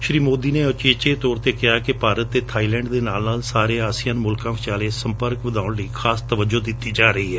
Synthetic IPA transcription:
ʃɾiːmoːd̪iːneːət͡ʃeːt͡ʃeːt̪ɔːɾt̪eːkɪaːkɪpaːɾət̪ːeːt̪ʰaːiːlɛ̃ːɳɖd̪eːnaːlnaːlsaːɾeːaːsijãːnmʊlkãːʋɪt͡ʃaːleːsəmpəɾkʋəd̪aːʊɳləiːkʰaːst̪əʋəd͡ʒoːd̪ɪt̪ːiːd͡ʒaːɾəɦiːɦɛː

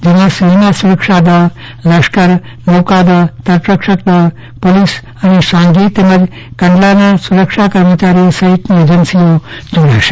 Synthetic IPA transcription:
d͡ʒinaseɦnasuɾəkʂad̪ə | ləʃkəɾ | mokad̪ət̪əɾpɾəkʂək̚d̪ə | polis | anisãŋɡiːt̪eməd͡ʒ | kɐ̃ɳɖlanasuɾəkʂakəɾmət͡ʃaɾisɐɦit̪nied͡ʒənsijod͡ʒoɽaʃe̥

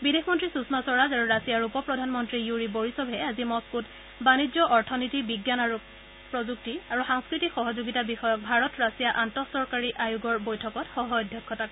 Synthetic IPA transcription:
bidexmɔntɹisusmasɔɹazaɹuɹasijaɹupɔpɹɔdʱanmɔntɹijuɹiboɹisɔbʱɛazimɔskut | banid͡ʒɔʔɔɹtʰɔnitibiɡjanaɹu | pɹɔzuk̚tiaɹuxaŋskɹitikxɔɦɔzuɡitabixɔjɔk̚bʱaɹɔtɹasijaʔantɔsɔɹkaɹiʔajuɡɔɹbojtʰɔkɔtxɔɦɔɔdʱjɔkʰːɔtak

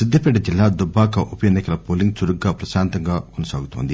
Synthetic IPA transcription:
sɪd̪ʱːɐpeːɖɐd͡ʒilːad̪ubʱːaːkɐʔupjɐnɐkɐlɐpoːliŋɡsuɾuɡːapɾɐsaːnt̪ɐŋɡakonusa̰ːɡut̪uɦo̰nd̪i

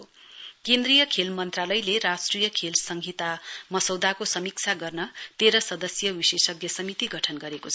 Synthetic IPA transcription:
okend̪rijʌkʰelmʌnt̪ralʌjleɾasʈrijʌkʰelsʌŋɡʱit̪amʌsʌwd̪akosʌmik̚t͡sʰaɡʌrnʌt̪eɾʌsʌd̪ʌsjʌwisesʌkɡjʌsʌmit̪iɡʌʈʰʌnɡʌɾekot͡sʰʌ

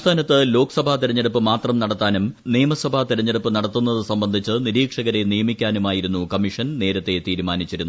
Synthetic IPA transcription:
st̪ʰaːnɐt̪ːɨlo̞ːkɐ̥sɐbʱat̪iɾɐɲːɐɽupːɨmaːt̪rɐmnɐɽɐt̪ːaːnumnijɐmɐsɐbʱat̪iɾɐɲːɐɽɐpːɨnɐɽɐt̪ːunːɐðɨsɐmbɐnd̪ʱit͡ɕːɨniɾiːkʂɐɣɐɾe̞nijɐmikʲːaːnumaːjiɾunːukɐmiʂɐnne̞ːɾɐt̪ːe̞t̪iːɾumaːnit͡ɕːiɾunːu

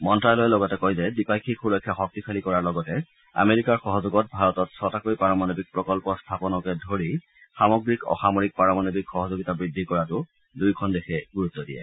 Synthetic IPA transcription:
mɔntɹajlojɛlɔɡɔtɛkojzɛdipajkʰikʰulɔkʰːjaxɔk̚tipʰalikɔɹaɹlɔɡɔtɛ | a̰meɹikaɹxɔɦɔzoɡɔt̚bʱaɹɔtɔtsɔtakoipaɹɔmanobik̚pɹɔkɔlpɔstʰapɔnɔkɛdʱoɹi | xamɔɡɹikɔ̰xamoɹik̚pɹaɹɔmanobikxɔɦɔzoɡitabɹidʱːikɔɹatʊ | dujkʰɔndexʰɛɡuɹut̪ːɔdḭɛ̰

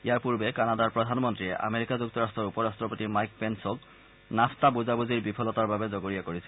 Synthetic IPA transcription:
ijaɹpuɹbɛkanadaɹpɹɔdʱanmɔntɹiɛʔa̰meɹikazuk̚tɔɹastɹɔɹupɔɹastɹɔpotimajk̚pɛnsɔk | nastabuzabuziɹbipʰɔlɔtaɹbabɛzoɡoɹijakoɹisɛ

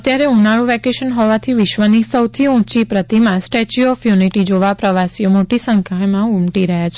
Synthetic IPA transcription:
ət̪jaɾeunaɭũʋɛkeʃənɦɔʋat̪ʰiʋɪʃʋənisəwt̪ʰiũt͡ʃipɾət̪imãsʈɛt͡ʃuɔfjuniʈid͡ʒoʋapɾəʋasiomoʈisəŋkʰamãumʈiɾəɦjat͡ʃʰe

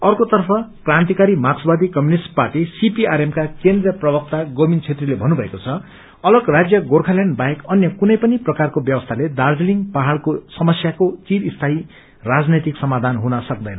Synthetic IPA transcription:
ʌrkot̪ʌrpʰʌkrant̪ikaɾimaksbad̪ikʌmjunisʈparʈisipiaɾemkakend̪rjʌprʌbʌk̚t̪aɡʌmint͡sʰet̪rilebʱʌnubʱʌekot͡sʰʌ | ʌlʌɡrad͡zjʌɡorkʰalaɳɖbajekʌnjʌkunʌjpʌniprʌkarkobjʌbʌst̪ʰaled̪ard͡ziliŋɡpaɦaɭkosʌmʌsjakot͡siɾist̪ʰai | rad͡znet̪iksʌmad̪ʱanɦunʌsʌk̚d̪ʌjnʌ

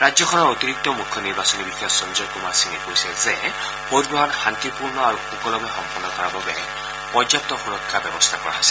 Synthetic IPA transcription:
ɹad͡ʒjɔkʰɔnɔɹot̪iɹik̚t̪ːɔmukʰːjɔniɹbasɔnibixʰasɔnzɔɹkumasinɛkojsɛzɛ | podbɔɦɔnxant̪ipuɹnɔaɹuxukɔlɔmɛxɔmpɔnːɔkɔɹababɛ | pɔzap̚t̪ɔxuɹɔkʰːabɛbɔst̪ʰakɔɹa̰ɦɔsɛ̥

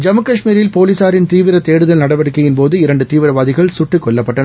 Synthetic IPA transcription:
d͡ʒɐmɯkɐʂmiːɾɪlpoːliːsaːɾɪnt̪iːʋɪɾɐt̪eːɽɯðɐlnɐɽɐʋɐɽɯkːɐjɪnpoːðɯɪɾɐɳɖɯt̪iːʋɪɾɐʋaːðɪɣɐɭsʊʈːɯkːɔɭːɐpːɐʈːɐnɐ

